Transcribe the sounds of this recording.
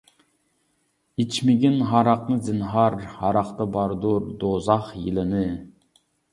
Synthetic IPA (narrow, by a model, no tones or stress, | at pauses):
it͡ʃʰmɪɡʲinɦɑɾɑqnɨzɪnɦɑɾhɑɾɑqt̪ɑbɑɾd̪uɾd̪ozɑχjilˠɪnɨ